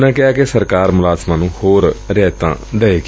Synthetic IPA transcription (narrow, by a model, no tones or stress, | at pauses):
nãːkɪaːkesəɾkaːɾmʊlaːzmãːnũːhoːɾɾɛːt̪ã̰ːɖəːeːk